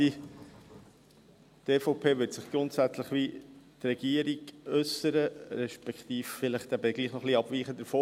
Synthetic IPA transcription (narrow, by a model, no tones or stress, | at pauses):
i | t̪eːfoʊpʰeːʋʏtsɪχɡ̥ɾʊntsæt͡sləχʋit̪rɛɡ̥iəɾiɡʏsːəɾəɾɛʃpɛkχt̪iːffɪləχt̪æbəɡliːχnɔχliɑb̥ʋiːχəd̪əɾfoː